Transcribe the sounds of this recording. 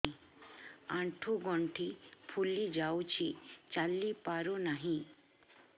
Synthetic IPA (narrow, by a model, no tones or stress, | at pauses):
ãɳʈʰuɡɔɳʈʰipʰulid͡ʒawt͡ʃʰit͡ʃalːipaɾunaɦĩ